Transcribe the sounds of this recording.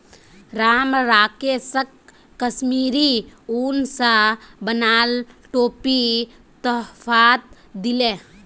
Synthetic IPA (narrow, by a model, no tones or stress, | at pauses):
ɾaːmɾaːkesəkː | əsmiːɾiuːnsabənaːlʈoːpi | t̪ɔɦfʰaːt̪̚ | d̪ɪleː